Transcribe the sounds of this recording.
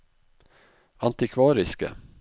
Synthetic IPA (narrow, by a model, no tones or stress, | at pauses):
ɑnt̪ɪkʰʋɑːɾɪskə̰